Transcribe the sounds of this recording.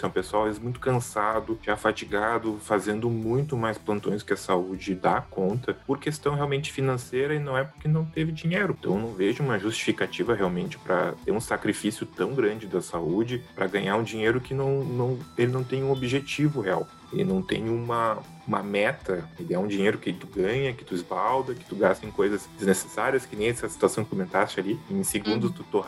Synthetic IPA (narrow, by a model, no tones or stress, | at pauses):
sɛ̃pesawavezɪzmũj̃t̪ʊ̥kɐ̃sad̪ʊʒafat͡ʃiɡad̪ʊfazẽnd̪ʊmũj̃t̪ʊmajsplɐ̃nt̪õj̃skɪɐsaud͡ʒɪd̪akõnt̪ɐpoɾkest̪ɐ̃w̃ɦeawmẽnt͡ʃɪ̥finɐ̃sejɾɐɪnɐ̃w̃ɛpʊɾkɪnɐ̃w̃t̪evɪd͡ʒiɲejɾʊt̪ɐ̃w̃nɐ̃w̃veʒʊũmɐʒust͡ʃi̥fikat͡ʃivɐɦeawmẽnt͡ʃɪ̥pɾɐ̰t̪eɾũsakɾifisjʊt̪ɐ̃w̃ɡɾɐ̃nd͡ʒɪd̪ɐsaud͡ʒɪpɾɐɡɐɲaɾũd͡ʒiɲejɾʊkɪnɐ̃w̃nɐ̃w̃elɪnɐ̃w̃t̪ẽj̃ũobɪʒet͡ʃivʊɦea̰w | elɪ̰nɐ̃w̃t̪ḛ̃j̃ũmɐ | umɐmɛt̪ɐelɪɛũd͡ʒiɲejɾʊkɪt̪uɡɐ̃ɲɐkɪ̥t̪uɪzbawd̪ɐkɪ̥t̪uɡast̪ɐẽkojzɐsd͡ʒɪznese̥saɾiɐskɪnẽj̃ɛsɐsi̥t̪uasɐ̃w̃kɪkomẽnt̪ast͡ʃɪaliẽj̃seɡũnd̪ʊst̪ut̪o